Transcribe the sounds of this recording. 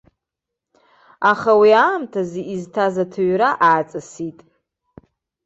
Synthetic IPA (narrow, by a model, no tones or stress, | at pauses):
aχawiaːmtʰaziʔiztʰazatʰaɥɾaʔaːt͡sʼasitʼ